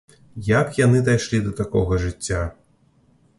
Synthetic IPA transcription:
jakjanɨd̪ajʂlʲid̪ɐt̪akɔɣɐʐɨt͡sʲːa

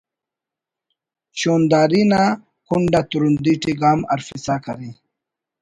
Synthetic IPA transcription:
ɕoːnd̪aːɾina | kuɳɖat̪uɾund̪iʈiɡaːma̰ɾfisakaɾi

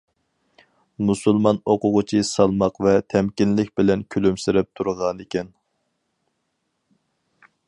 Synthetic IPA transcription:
musulˠmɑnoqʊʁʊt͡ʃʰisɑlˠmɑqvɛt̪ʰɛmkʲinlɪkʲbɪlɛnkʲʰølymsɪɾɪp̚t̪ʰuɾʁɑnɪkʲʰɛn

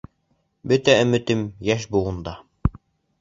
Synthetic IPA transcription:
bɵt̪æɵ̆mɘ̆t̪ɘmjæʃbuʁɤ̆nd̪ɑ

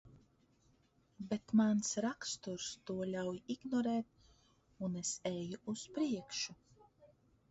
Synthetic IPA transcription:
bet̪mansɾakst̪uɾst̪uɔlʲawjiɡnɔɾɛːt̪̚ | unesɛjuuspɾiɛkʃu

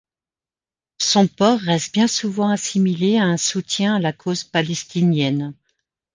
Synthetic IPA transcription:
sɔ̃pɔʁːɛst̪̚bjɛ̃suvɑ̃asimileaɛ̃sut̪jɛ̃alakʰozpalɛst̪injɛn

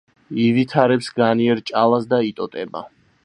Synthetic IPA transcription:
ivit̪ʰaɾɛpsɡaniɛɾt͡ʃʼalˠasd̪ait̪ʼɔt̪ʼɛba̰

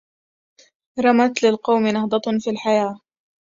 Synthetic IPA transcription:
ɾˤɑmat̪lɪlqɑwmɪnɑhd̪ˤɑt̪fiːlħajaː

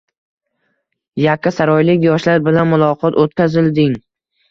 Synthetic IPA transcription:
jakʲːasaɾɒjlɪkʲjɒʃlaɾbɪlanmʊlˠɒqʰɒt̪ʰot̪kʲʰazɪld̪ɪŋ

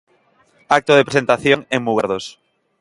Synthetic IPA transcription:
ak̚t̪oðepɾesent̪aθjoŋeŋmuɣeɾðos

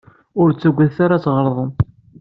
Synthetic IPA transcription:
ʊɾt͡sːəɡʷːæðθaɾat͡sːʁəɾˤðˤən

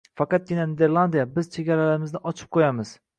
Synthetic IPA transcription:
fɑqɑt̪̚ɡʲɪnanid̪e̞ɾlˠand̪ijabɪz̥t͡ʃʰe̞ɡʲaɾalaɾɪmɪznɪʔɒt͡ʃʰɨ̥p̚qʰojamɪz̥

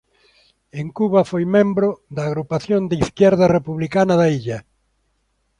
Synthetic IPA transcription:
eŋkuβɐfojmẽmbɾʊðɐːɣɾupaθjond̪iθkjɛɾðɐrepuβlikanɐðaiʎɐ

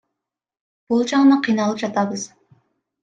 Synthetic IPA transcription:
b̥ulˠd͡ʒɑŋnɨqʰijnɑlˠɨp̚d͡ʒɑt̪ʰɑbɨz̥

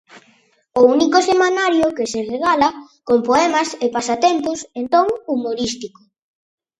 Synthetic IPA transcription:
ʊunikosemanaɾjokɪsereɣalɐkompoɛmɐsepasat̪ent̪ʊsent̪oŋumoɾist̪iko̥

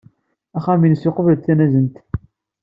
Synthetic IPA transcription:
æχæminəsoqəvlθænæzənt̪

